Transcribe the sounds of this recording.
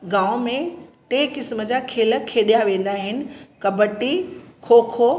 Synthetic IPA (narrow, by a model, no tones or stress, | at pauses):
ɡãːʊ̃mẽʈeːkɪsməd͡ʑakʰeːlə̆kʰeːɗijaʋẽːn̆d̪aɦɪnɪ̆kɐbəʈikʰoːkʰo